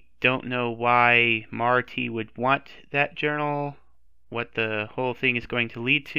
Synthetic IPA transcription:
d̥õʊ̃nnːoʊwaɪmɑɹɾʰiwɨd̚wɑ̃nðɨt̚d̥ʒ̥ɜ˞nl̩ˠ | wʌt̪̚ðɨhoʊlˠθɪ̃ŋɨzɡoʊɪ̃ŋtʰəlid̚tʰɨ

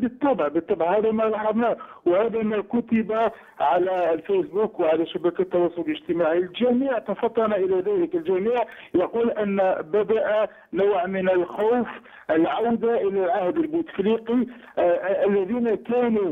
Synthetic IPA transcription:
bət̪ˤːɑbʕbət̪ˤːɑbʕhæd̪æmælɑħɑd̪ˤnæwhæd̪æmækʊt̪ɪba | ʕalælfijsbukwʕalæʃabækæt̪ːɑwɑsˤʊlləʒt̪əmaʕilʒæmiːʕt̪ɑfɑt̪ˤːɑnæʔəlæðæləkəlʒæmiːʕ | jɑquːlʔənːbæd̪aʔa | nawʕmənəlxowf | ʔəlʕawd̪aʔəlælʕahd̪əlbut̪əfliqi | ʔəlːæðinakænu

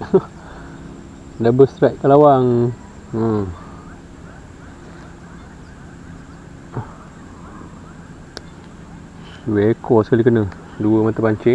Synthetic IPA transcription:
dabəst̪ɾɛʔ̚kəlawaŋ | ə | wekɔskalikənə | duəmat̪əpaɲt͡ʃɪ

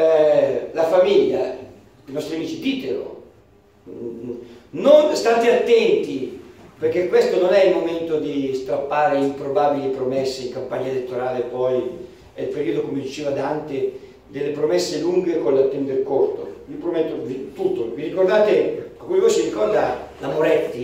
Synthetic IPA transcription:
ɛlafamiʎːa̰ | inɔst̪ɾiamiːt͡ʃid̪iːt̪elo̰ | nonst̪at̪eat̪ːɛnt̪iperk̟ːekːwest̪ononɛilmoment̪od̪ist̪ɾapːaːɾeimpɾobabilipɾomɛsːeiŋkampaɲːaelet̪ːoɾaːlepɔj | ɛilpeɾiːod̪okomed̪it͡ʃeːvad̪ant̪e | d̪elːepɾomɛsːeluŋɡekonlat̪ːɛnd̪eɾkort̪o̰vipɾomɛt̪ːod̪it̪ut̪ːovirikord̪aːt̪eakːuivɔsiɾikɔrd̪alamoɾɛt̪ːi

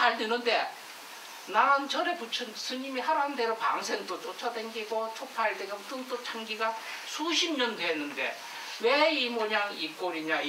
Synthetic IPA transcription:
aɭdenɯnde̞ | naant͡ɕʰʌɾeput͡ɕʰɯnsʰɯɲimihaɾandeɾopa̰ŋsʰeŋdot͡ɕ͈ʰot͡ɕʰʌdeŋɡiɡot͡ɕʰopʰaɭdeɡomkɯŋt͈ot͡ɕʰaŋɡiɡasʰuɕʰimɲʌndeːnːɯnde̞̰ | weimʌɲaŋik͈oɾiɲa

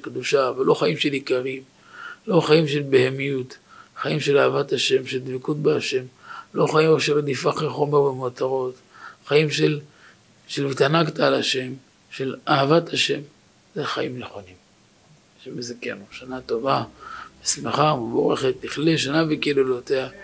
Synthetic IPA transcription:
kd̪uʃavelo̞χajimʃe̞likaʁim | lo̞χajimʃe̞lbehemijut | χajimʃe̞laavataʃe̞mʃeld̪vikut̚beaʃe̞mlo̞χajimoʃeɾed̪ifaχeχo̞meʁbemot̪aʁo̞t̪ | χajimʃel | ʃelvit̪anaktaːlaʃe̞m | ʃe̞laavataʃe̞m | zeχa̰jimneχo̞nim | ʃemezakḛnuʃanato̞vabesmeχabo̞̰ʁeχetliχleʃanavekelolotea

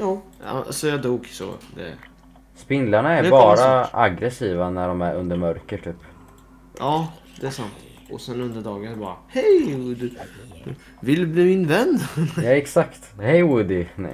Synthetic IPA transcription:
jɑːjɑ̰a̰sɔjɑd̪uːɡsɔ̰d̪ɛ̰ | spɪnlaɳaæɾbɑːɾaa̰ɡɾɛsiːvanæɖɔmæɾɵ̰nd̪əɾmœɾkəʈʰyːp | ʔɑː | d̪̥ɛæʂant̪ | ɔsɛnɵnd̪əɖɑːɡənbɑːɾahɛjɵd̪ | vɪld̪ɵbliːmɪnvɛnd̪jɛksakt̪hɛjwɵd̪ɪɛ

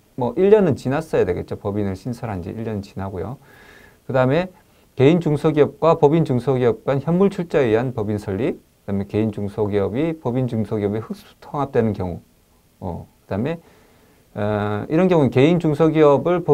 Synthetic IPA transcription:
mwʌʔiʎːʌnɯnt͡ɕinas͈ʌjadwe̞ɡe̞t̚t͡ɕ͈opʌbinɯɭɕʰinsʰʌɾɦand͡ʑḛʔiʎːjʌnɯnt͡ɕinɦaɡojo̰ | kɯdaɯme̞ | ke̞ind͡ʑuŋsʰʌɡiʌp̚kwapʌbint͡ɕuŋsʰʌɡiʌp̚k͈ançjʌnːuɭt͡ɕʰuɭt͡ɕ͈aeiɦanpʌbinsʰʌʎːikɯd̥ame̞ke̞ind͡ʑuŋsʰʌɡiʌbipʌbind͡ʑuŋsʰʌɡiʌbehɯk̚s͈u̥tʰʌŋap̚t͈wenɯnkjʌŋu | mʌ̰kɯd̥ame̞ | iɾʌnɡjʌŋuɯnke̞ind͡ʑuŋsʰʌɡiʌbɯɭpʌ

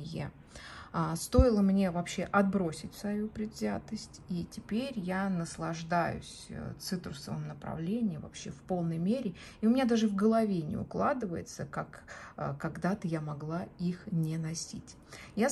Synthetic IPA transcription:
jḛ | st̪o̞ɪlˠəmnʲe̞vɐpɕːe̞ʔɐd̪̚bɾo̞sʲɪtʲfsvɐjupɾʲɪd̪zʲat̪əsʲtʲitʲɪpʲeɾʲjanəslˠɐʐd̪ajʊ̰sʲt̪sɨt̪ɾʊsəvə̰mnəpɾɐ̰vlʲenʲɪjəvɐ̰pɕːe̞fpo̞lˠnəjmʲeɾʲɪ | iʊmʲɪnʲad̪aʐɨvɡəlˠɐvʲenʲɪ̰ʊ̰klˠad̪ɨvəjɪ̰t̪səkakkaɡd̪at̪əjamɐɡlˠaixnʲɪnɐsʲitʲ | ja

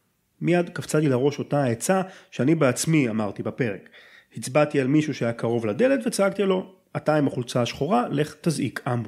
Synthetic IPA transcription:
mijad̪kaft͡sat̪ilaʁo̞ʃo̞taet͡saʃeanibeat͡smiamaʁt̪ibape̞ʁek | hit͡sbat̪ialmiʃuʃeajakaʁo̞vlad̪e̞let̪vet͡saaɡt̪ilo̞ | at̪aimaχult͡saːʃχo̞ʁale̞χt̪azikʰambu

